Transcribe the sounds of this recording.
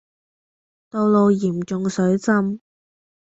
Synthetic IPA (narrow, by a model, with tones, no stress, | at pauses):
t̪o˧wlo˨˧wjiː˨˩mt͡ʃʊ˨ŋsɵ˨˥ɥt͡sɐ˥m